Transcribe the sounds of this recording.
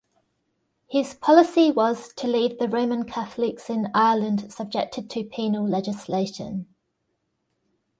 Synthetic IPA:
hɪz̥pʰɒlɪsiwɒz̥tʰəliːvðəɹəʊmə̃nkʰaθlɪksɪ̃naɪələ̃nd̥səb̚d͡ʒɛk̚tʰɪd̚tʰəpʰiːnəlˠlɛd͡ʒɪsleɪʃə̰̃n

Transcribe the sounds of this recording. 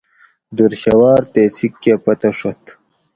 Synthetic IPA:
d̪uɾɕɐwaːɾt̪eːt͡ssʰikːepɐt̪ɐʂot̪

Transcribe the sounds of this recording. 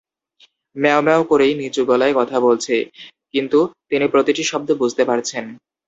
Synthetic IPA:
mɛomɛokoɾejnit͡ɕuɡɔlaekɔt̪ʰabolt͡ɕʰe | kint̪ut̪inipɾot̪iʈiʃɔb̚d̪obud͡ʑʱt̪epaɾt͡ɕʰen

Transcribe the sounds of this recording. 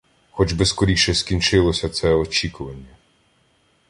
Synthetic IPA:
xɔd͡ʒbeskɔɾʲiʃɛskʲinʲt͡ʃɪlˠɔsʲɐt̪sɛɔt͡ʃʲikʊʋɐnʲːɐ

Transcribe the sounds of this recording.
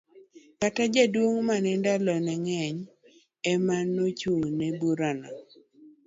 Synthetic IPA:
katad͡ʒadwoŋmanɪndalɔnɛŋɛɲ | ɛmanot͡ʃuŋnɛbuɾana

